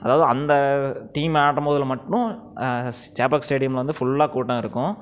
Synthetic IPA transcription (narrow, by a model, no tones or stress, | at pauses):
ɐðaːʋɐðɯɐ̰nd̪ɐt̪iːmaːʈːɐmoːðɪlmɐʈːʊ̃ | t͡ʃaːpaːksʈeːɽɪjɐmlʋɐnd̪ɯfʊɭːaːkuːʈːɐ̃ɪɾɯkːʊ̃